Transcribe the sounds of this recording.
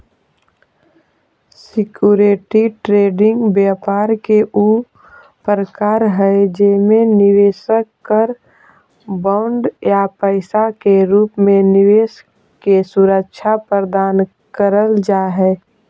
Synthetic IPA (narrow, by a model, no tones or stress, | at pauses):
sɪkjuːɾeʈiʈɾeːɖɪ̃ŋɡbjaːpaːɾkeʔu | pɾəkaːɾɦɛd͡ʒɛmẽnɪʋeːʃəkːəɾ | baʊɳɖjapəɪsakeɾuːpmẽnɪʋeːʃ | esʊɾək̚ʃʰapəɾd̪aːn | kəɾəld͡ʒaːɦɛː